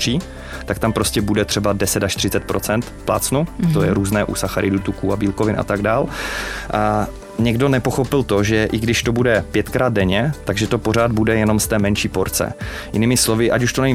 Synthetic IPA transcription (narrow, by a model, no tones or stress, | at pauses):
r̥iː | t̪akt̪ampɾo̞scɛbudɛt̪r̝̥ɛbadɛsɛt̪aʃt̪ɪ̥r̝ɪt͡sɛt̪̚pɾot͡sɛnt̪pla̰ːt͡snut̪ojɛɾuːznɛːʔṵsaxaɾʔɪdut̪ukuabiːlkovɪnʔa̰t̪aɡdaːl | ɲɛɡdo̞nɛpo̞xo̞pɪlt̪o̞ʒɛʔɪɡdɪʃt̪o̞budɛpjɛt̪kɾaːd̪̚dɛɲɛt̪aɡʒɛt̪o̞po̞ɾaːd̪̚budɛjɛnomst̪ɛːmɛnʃiːpoɾt͡sɛ̰jɪ̰nɪmɪslo̞vɪʔacuʃt̪onɛɲ